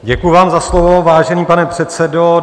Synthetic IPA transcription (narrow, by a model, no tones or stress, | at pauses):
ɟɛkujʊvaːmzaslovovaːʒɛniːpanɛpr̝̥ɛt̪t͡sɛdo